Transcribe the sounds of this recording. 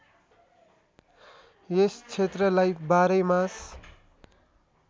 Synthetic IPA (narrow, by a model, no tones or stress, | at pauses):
est͡sʰet̪rʌlajbaɾʌjmas